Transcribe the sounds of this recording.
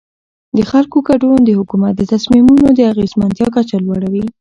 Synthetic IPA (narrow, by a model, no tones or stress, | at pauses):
d̪əxalkoɡaɖond̪əhʊkumat̪̚d̪ət̪asmimunod̪əaɣezmant̪jɑkat͡ʃalwɑɽawi